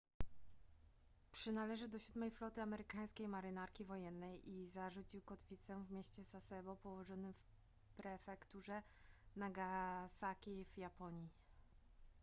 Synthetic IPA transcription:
pʂɘnalɛʐɘd̪ɔɕud̪mɛjflɔt̪ɘamɛɾɘkaj̃skʲejmaɾɘnaɾkʲivɔjɛnːɛjʔizaʐut͡ɕiwkɔt̪fʲit̪sɛw̃vmʲeɕt͡ɕɛzasɛbɔpɔwɔʐɔnɘmf | pɾɛfɛkt̪uʐɛ | naɡasakʲivjapɔɲi

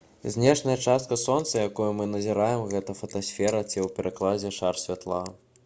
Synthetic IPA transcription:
zʲnʲɛʂnɐjɐt͡ʂast̪̚kɐsɔnt̪sɐjakɔjumɨnɐzʲiɾajɛmɣɛt̪ɐfɐt̪asʲfʲɛɾɐt͡sʲɛwpʲɛɾʔaklˠad͡zʲɛʂarsʲvʲat̪lˠa

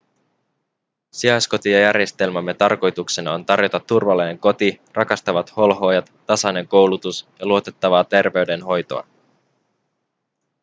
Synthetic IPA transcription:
siɑsko̞t̪ijɑjærje̞st̪e̞lmɑmːe̞t̪ɑrko̞jt̪uksenɑont̪ɑrjo̞t̪ɑt̪ːurʋɑleːeŋko̞t̪irɑkɑst̪ɑʋɑt̪ho̞lɦo̞ːjɑt̪ːɑsɑne̞ŋko̞wlut̪usjɑluot̪e̞t̪ːɑʋɑːt̪e̞rʋe̞yde̞nɦo̞jt̪o̞̰ɑ̰

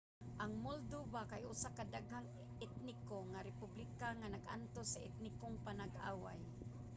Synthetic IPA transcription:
ʔaŋmold̪ubakajʊsakad̪aɡɦaŋ | ɪt̪̚nɪkoŋaɾɪpublɪkaŋanaɡʔa̰nt̪osːaʔɪt̪̚nɪkoŋpanaɡʔa̰ːwa̰j

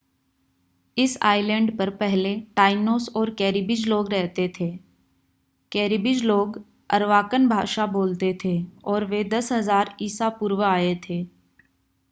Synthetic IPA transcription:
ɪsa̰ːɪlɛ̃ɳɖpɐɾpɛɦleʈaːɪnoːsɔːɾkɛːɾibɪd͡ʒloːɡɾɛɦt̪et̪ʰeː | kɛːɾibɪd͡ʒloːɡ | əɾʋaːkənbʱaːʃaboːlt̪et̪ʰeɔːɾʋed̪ɐsɦɐzaːɾiːsapuːɾwəaːet̪ʰeː

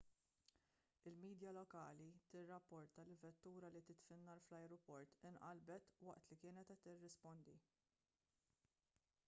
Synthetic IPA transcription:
ɪlmiːd̪jɐlɔkɐːlit̪ɪrːɐpːɔɾt̪ɐlɪvɛt̪ːuːɾɐlit̪ɪt̪fɪnːɐɾflɐjɾɔpɔɾt̪ɪnʔɐlbɛt̪wɐ̰ʔt̪likɪːnɛt̪ɛt̪ːɪrːɪspɔnd̪i

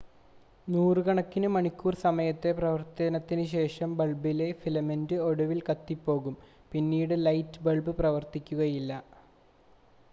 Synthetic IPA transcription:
nuːrɨkɐɳɐkːinɨmɐɳikʲːuːrsɐmɐjɐt̪ːe̞prɐʋɐrt̪ɐnɐt̪ːinɨɕe̞ːʂɐmbɐɭbile̞filɐmendɨo̞ɽuʋilkɐt̪ːipːo̞ːɣum | pinːiːɽɨlɐjtːɨbɐɭbɨprɐʋɐrt̪ikʲːuɣɐjilːɐ

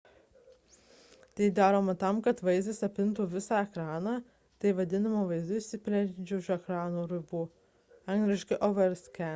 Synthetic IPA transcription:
t̪ɐɪd̪ɑːɾoːmɐt̪ɐmkɐt̪ʋɐɪzɐsɐpʲɪnt̪uʋʲɪsɑːɛkɾɑːnɑː | t̪ɐɪʋɐd̪ʲɪnɐmoːʋɐɪzd̪ʊɪʃʲsʲɪpʲlʲɛd͡ʒʲɛʊʃɛkɾɑːnuːɾʲɪbuː | ɐŋɡlʲɪʃʲkɪʔɔʋɛɾsʲkʲɛ

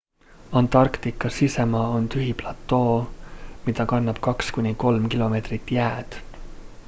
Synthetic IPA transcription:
ɑnt̪ˑɑrkt̪ikːˑɑsisemɑːo̞nt̪yɦiplɑt̪ːˑo̞ːmid̪̥ɑkɑnnːɑb̥kɑkskunʲiko̞lmkilo̞me̞ːt̪rit̪ˑːjæːd̪̥

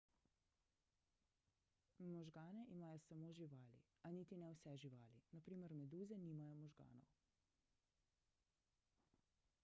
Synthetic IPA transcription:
mɔʒɡaːnɛʔimaːjɔsamoːʒiʋaːlḭ | aniːt̪inɛwsɛʒiʋaːlinapɾiːmɛɾmɛd̪uːzɛniːmajɔmɔʒɡa̰ːnɔ̰w

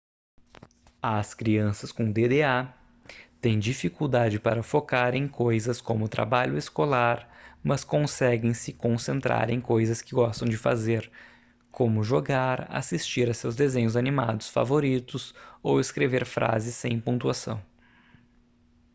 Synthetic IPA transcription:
ɐskɾiɐ̃sɐskõd̪ed̪ea | t̪ẽj̃d͡ʒifikuwd̪ad͡ʒɪpa̰ɾɐfokaɾẽj̃kojzɐskõmʊt̪ɾa̰baʎʊeskolaɾmɐskõsɛɡẽj̃sɪkõsẽnt̪ɾa̰ɾẽkojzɐskɪɡɔst̪ɐ̃w̃d͡ʒɪfa̰zeɾ | kʰõmʊʒoɡaɾa̰sist͡ʃiɾɐsewzd̪ezẽɲʊzanima̰d̪ʊsfa̰voɾit̪ʊsoweskɾeveɾfɾʔa̰zɪsẽj̃põt̪uasɐ̰̃w̃

